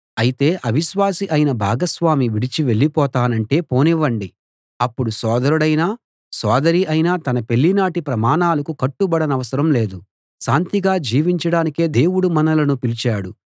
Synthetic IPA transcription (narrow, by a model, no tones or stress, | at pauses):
ɐjit̪e̞ːʔɐʋiʃʋaːsiʔɐjnɐbʱaːɡɐsʋaːmiʋiɽit͡ʃiʋe̞ɭːipɔːt̪aːnɐɳʈe̞ːpo̞ːniʋɐɳɖi | ɐpːuɽusɔːd̪ɐɾuɽɐjnaː | sɔːd̪ɐɾiʔɐjnaːt̪ɐnɐpe̞ɭːinaːʈipɾɐmaːnaːlɐkukɐʈːubɐɽɐnɐʋɐsɐɾɐmle̞ːd̪u | ʃaːnt̪iɡaːd͡ʒiːʋiɲt͡ʃɐɽaːnike̞ːd̪e̞ːwuɽumɐnɐlɐnupilit͡ʃaːɽu